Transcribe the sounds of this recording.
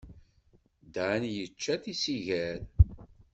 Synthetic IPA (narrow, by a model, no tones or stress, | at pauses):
d̪ʕnjət͡ʃːæθisiʝæɾ